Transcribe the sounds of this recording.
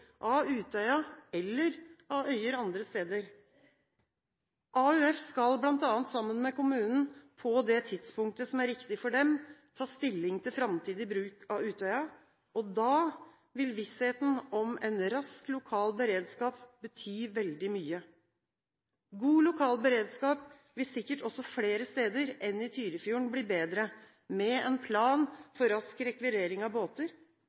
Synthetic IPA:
ʔɑʉːt̪ʰœʏɑɛlːəɾɑœʏəɾɑnd̪ɾəst̪eːd̪əɾ | ʔɑʉɛfskɑlblɑnt̪ɑːnt̪sɑmːənmɛkʊmʉːnn̩pʰɔd̪ɛt̪ʰɪd̪spʊŋk̚t̪əsɔmæɾʋɪkt̪ɪfɔɖɛmt̪ʰɑːst̪ɪlːɪŋt̪ʰɪlfɾɑmt̪ʰiːd̪ɪbɾʉːkʰɑʉːt̪œʏɑ | ɔd̪ɑː | ʋɪlʋɪsheːt̪n̩ɔmɛnɾɑsklʊkʰɑːlbəɾeːd̪skɑːpbət̪ʰyːʋɛld̪ɪmyːə | ɡuːlʊkʰɑːlbəɾeːd̪skɑːp̚ | ʋɪlsɪkːəʈɔsːɔfleːɾəst̪eːd̪əɾɛnːɪt̪ʰyːɾəfjuːəɳbliːbeːd̪ɾə | mɛɛnpʰlɑːnfɔɾɑskɾɛkʋɪɾeːɾɪŋɑʋboːt̪əɾ

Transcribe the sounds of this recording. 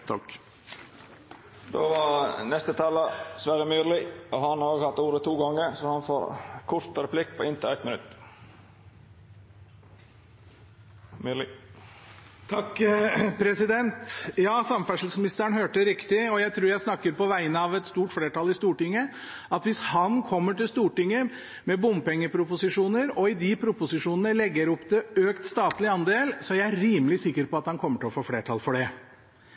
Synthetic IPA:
t̪ʰɑk | d̪o̰ːʋɑnɛst̪ət̪ʰɑːlːəsʋæːɾəmyːɾlɪɔhɑnɑɾoːɡhɑt̪ːuːɾət̪ʰuːɡɑŋːəɾsɔhɑnfo̰ːɾkʰʊɾt̪əɾɛpʰlɪkːpʰɔːɪnt̪əɛt̪mɪnʉ̰t̪ː | mylɪ | t̪ʰɑkːpʰɾɛsɪd̪ɛnt̪jɑːsɑmfæʂl̩smɪnɪst̪əəɳ̩høːʈəɾɪkt̪ɪɔjæɪt̪ʰɾuːɾjæɪsnɑkːəɾpɔʋæɪənəɑʋɛt̪st̪uːʈfleːʈɑlɪst̪uːʈɪŋːə | ɑt̪ʋɪshɑnkʰɔmːəʈɪlst̪uːʈɪŋːə | mɛbʊmpɛŋːəpʰɾʊpʊsɪʂuːnəɾɔɪd̪ɪpʰɾʊpʊsɪʂuːnənəlɛɡːəɾɔpd̪ɛøːkt̪st̪ɑːt̪lɪɑnd̪eːlsɔæɾææɾiːməlɪsɪkːəɾpɔɑt̪hɑnkʰɔmːəʈʰɪlɔfoːfleːʈʰɑlfɔɖɛ

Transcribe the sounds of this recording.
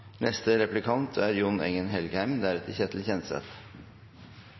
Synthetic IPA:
nɛst̪əɾɛplɪkʰɑnt̪ʰæːɾjʊnɛ̰ŋənɦɛlɡəhæɪmd̪æɾɛt̪əçɛt̪ʰl̩çɛnsɛ̰t̪

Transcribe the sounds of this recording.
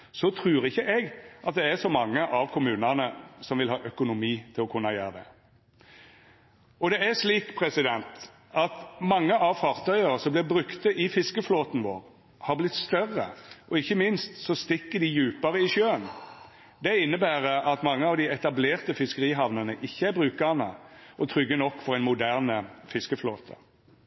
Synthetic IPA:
sɔt̪ʰɾʉːɾɪçːəʔɛɡʔɑt̪̚d̪ɛæsɔmɑŋːəʔɑʋkʰʊmʉːnənəsɔmʋɪlɦɑːʔœkʊnʊmiːt̪ʰɪlɔkʰʉnːɑjø̰ːʁəd̪ɛ̰ | ɔd̪ɛæʂliːkpʰɾɛsɪd̪ɛnt̪ | ɑt̪mɑŋːəʔɑʋfɑʁt̪ʰœʏəɾəsɔmblɪbɾʉkt̪əʔɪfɪskəfloːt̪n̩ʋo̰ːʁ | hɑʁblɪt̪st̪œʁːə̰ʔɔɪçːəmɪnst̪sɔst̪ɪkːəd̪ɪjʉːpəɾəɪʃjøːən | d̪ɛɪnːəbæːʁəɑt̪mɑŋːəɑʋd̪ɪɛt̪ɑbleːʁt̪əfɪskəʁiːɦɑʋnənəʔɪçːəæɾbʁʉːkɑnə̰ʔɔt̪ʰɾʏɡːənɔkːfɔʁɛɪnmʊd̪æʁnəfɪskəfloːt̪ʰə̰

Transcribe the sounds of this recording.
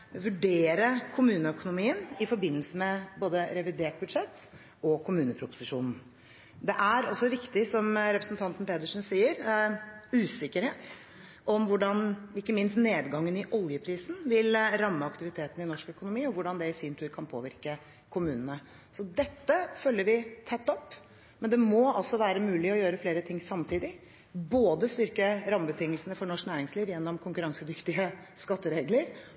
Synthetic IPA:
ʋʉɖeːɾəkʰʊmʉːnəœkʊnʊmiːənɪfɔɾbɪnːəlsəmɛboːd̪əɾɛʋɪd̪eːʈ̚bʉd̪ʂɛt̪ː | ɔkʰʊmʉːnəpʰɾʊpʊ̥sɪʂuːnn̩ | d̪ɛʔæɾɔsːɔɾɪkt̪ɪsɔmɾɛpɾəsnt̪ʰɑnt̪n̩peːd̪əʂnsiːəɾ | ʉːsɪkːəɾheːt̪ | ʔɔmʋʊɖɑnɪkːəmɪnst̪neːd̪ɡɑŋːənɪʔɔljəpʰɾiːsn̩ʋɪlɾɑmːəɑkt̪ɪʋɪt̪ʰeːt̪n̩ɪnɔʂkœkʊnʊmiːɔʋʊɖɑnd̪ɛɪsiːnt̪ʰʉːɾkʰɑnpʰo̰ːʋɪɾkə | kʰʊmʉːnənə | sɔd̪ɛt̪ːəfœlːəɾʋɪt̪ʰɛt̪ːɔpː | mɛnd̪ɛmɔɑlsɔʋæːɾəmʉːlɪɔjøːɾəfleːɾət̪ʰɪŋːsɑmt̪ʰiːd̪ɪ | boːd̪əst̪ʏɾkəɾɑmːəbət̪ʰɪŋːəlsənəfɔɳɔʂknæːɾɪŋsliːʋjɛnːɔmkʰʊŋkʉɾɑŋsəd̪ʏft̪ɪəskɑt̪ːəɾeːɡləɾ

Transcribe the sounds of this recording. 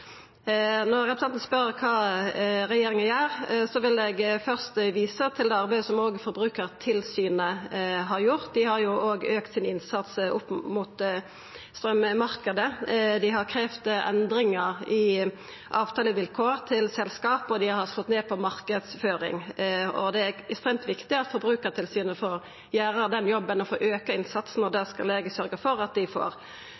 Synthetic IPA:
nɔʁʁɛpɾsɛnt̪n̩spœɾəkʰɑːɾɛjeːɾɪŋənjæːʁsɔʋɪlɛɡfœʁst̪ʋiːsət̪ʰɪld̪ɛːɑɾbæɪd̪əsɔmoːɡəfɔɾbɾʉːkəʁt̪ʰɪlsyːnəɦɑɾjʊʁt̪̚d̪ɪhɑɾjʊʔoːɡøːkt̪sɪnɪnsɑt̪sʔʊpmʊːt̪ | st̪ɾœmːəmɑʁkəd̪əd̪ɪhɑɾkʰɾeːʋt̪ɛ̰nd̪ɾɪŋəɾɪ | ʔɑːʋt̪ʰɑːləʋɪlkʰoːʁt̪ʰɪlsɛlskɑːpɔd̪ɪhɑɾslɔt̪neːpʰɔmɑʁkəd̪sføːɾɪ̰ŋɔ̰d̪ɛæɛkst̪ɾeːmt̪ʋɪkt̪ɪɑt̪fɔɾbɾʉːkəɾt̪ʰɪlsyːnəfɔɾ | jæːɾəd̪ɛnjɔbːənɔfoːʔøːkəɪnsɑt̪sn̩ɔd̪æskɑ̰leːɡəsœɾɡəfɔɾɑt̪̚d̪ɪfɔ̰ːɾ

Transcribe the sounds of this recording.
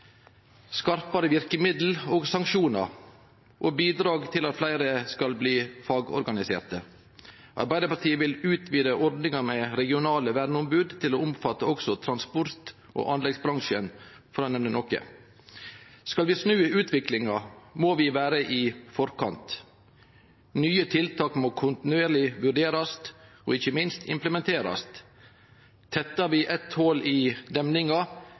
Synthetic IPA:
skɑɾpɑɾəʋɪɾkəmɪd̪l̩oːɡsɑŋʃuːnɑ̰ɾ | ʔoːbiːd̪ɾɑːɡt̪ʰɪlɑt̪flæɪɾəskɑlbliːfɑːɡɔ̰ɾɡɑnɪsḛːɾt̪ə | ʔɑ̰ɾbæɪd̪əɾpɑɾʈ̪ʰiːəʋɪlʉːt̪ʰʋiːd̪əʔɔɾd̪nɪŋɑmɛɾɛɡɪʊnɑːləʋæːɖn̩ɔmbʉːd̪t̪ʰɪloːʊmfɑt̪ːəɔksɔt̪ʰɾɑnspʊɾt̪ | ʔo̰ːʔɑnlɛɡsbɾɑŋʃən | fɔɾɑnɛmnənɔkə̰ | skɑlʋɪsnʉːəʔʉːt̪ʰʋɪklɪŋɑmoːʋɪʋæːɾəʔɪfɔɾkʰɑnt̪ | nyːət̪ʰɪlt̪ʰɑːkmoːkʰʊnt̪ɪnʉeːɾlɪʋʉɖeːɾɑst̪ | oːɪçəmɪnst̪ɪ̰mpləmɛnt̪ʰeːɾɑ̰st̪ | t̪ʰːɛt̪ːɑɾʋɪʔɛt̪hoːlɪd̪ɛmnɪŋɑ

